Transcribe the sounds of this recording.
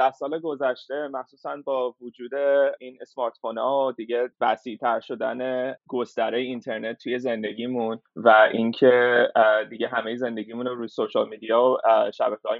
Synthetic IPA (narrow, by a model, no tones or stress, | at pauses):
d̪̥æhsɒːleɡo̞zæʃt̪e̞mæxsuːsænbɒːvud͡ʒuːd̪einesmɒɾt̪fonɒod̪iɟe̞væsiːt̪ʰæɾʃo̞d̪æ̰neɡ̥ost̪æɾejeint̪ʰe̞ɾnet̪ʰːuje̞ze̞nd̪e̞ɟʲiːmunvæʔincʰed̪iɟe̞ɦæmejeze̞nd̪e̞ɟiːmunoɾuːjsoʃɑlmid̪ijɒoʃæ̰bækʰeɒ̰ːj